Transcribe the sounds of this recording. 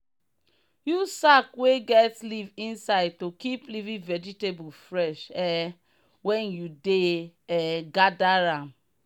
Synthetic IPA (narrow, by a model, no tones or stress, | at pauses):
jusakweɡɛtlivĩnsaɪd̚tokiplivĩvɛd͡ʒitebufɹɛʃɛ | wɛ̃njudeɛɡadaɾãm